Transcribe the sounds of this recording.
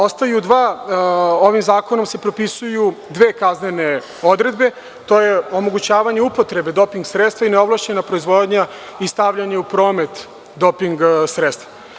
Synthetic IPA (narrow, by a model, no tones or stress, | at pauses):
o̞st̪ajud̪ʋaː | o̞ʋimzaːko̞no̞mse̞pɾo̞pisujud̪ʋeːkaznene̞ | o̞d̪ɾe̞d̪be̞ | t̪o̞ːje̞o̞mo̞ɡut͡ɕaːʋaɲe̞upo̞t̪ɾe̞be̞d̪o̞piŋɡsɾet̪st̪ʋaineo̞ʋlaʃt͡ɕenapɾo̞izʋo̞d̪ɲa | ist̪aʋʎaɲeupɾo̞ːme̞t̪ | d̪o̞piŋɡsɾet̪st̪va